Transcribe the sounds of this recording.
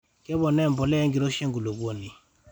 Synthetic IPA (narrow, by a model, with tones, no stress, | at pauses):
kɛ˦bɔ˨nɛ˦˨m˨bɔ˨lɛ˦ŋɡi˨ɾo˦ʃɛ˦ŋɡu˨lo˨bwo˦˨ni˨